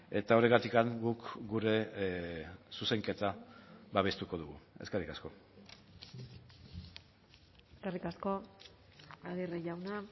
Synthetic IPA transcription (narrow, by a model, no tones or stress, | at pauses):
e̞t̪ao̞ɾeɣat̪ikaŋɡukɡuɾe̞ | suse̞ŋke̞t̪aβaβ̞e̞st̪uko̞ð̞uɣue̞skerikasko̞ | eskerikasko̞ | aðireʝawna